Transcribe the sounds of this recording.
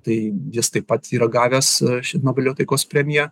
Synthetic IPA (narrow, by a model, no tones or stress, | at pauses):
t̪ɐɪjɪst̪ɐɪppːɐt̪iːɾɐɡɑːʋʲɛsʃʲɪnoːbʲɐlʲjoːt̪ɐɪkoːspʲɾʲɛmʲɪjɛ